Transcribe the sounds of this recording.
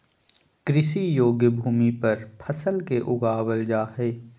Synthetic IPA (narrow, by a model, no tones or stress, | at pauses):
kɾɪsijoːɡjəbʱuːmipɐɾpʰəsəlkeʔʊɡaːwəld͡ʒaːɦeː